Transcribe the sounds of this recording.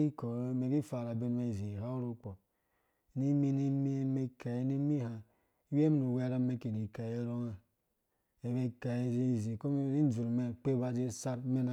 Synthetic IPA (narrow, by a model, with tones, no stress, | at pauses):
i˦ko˨ɾme˨ɡi˦fa˨ɾa˨be˦nme˦˨zi˨ha˦u˦ɾu˦k͡po˨ | ni˦mi˦ni˦mi˦me˦ka˨je˦ni˦mi˦ha˨˦ | we˦m˦nu˨we˦ɾa˦me˦ki˨ni˨ka˨je˦ɾo˦ŋa˨ | e˨βe˦ka˨je˦zi˦˨zi˨ko˦m˦i˦n˦d͡ʒu˨ɾme˦k͡pe˦ba˦d͡ʒe˦sa˦ɾme˦na˨